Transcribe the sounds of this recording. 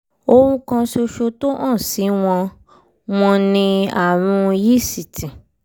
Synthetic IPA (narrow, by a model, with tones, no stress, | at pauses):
o˧wũ˦kã˧ʃo˧ʃo˧to˦ʔã˦˨si˨˦w̃ɔ̃˧ | w̃ɔ̃˧nĩ˧a̰˨ɾ̃ũ˧ji˦˨si˨tĩ˨